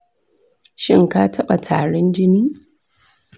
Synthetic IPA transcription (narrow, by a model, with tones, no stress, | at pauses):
ʃɪ˦ŋka˦tʰɐ˦ɓa˨tʰaː˨ɽɔ˦nd͡ʒɪ˦niː˦